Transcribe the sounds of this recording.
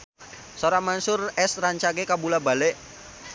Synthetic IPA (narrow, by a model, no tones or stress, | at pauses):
soɾamansʊrɛsraɲt͡ʃaɡekabulabalɛʔ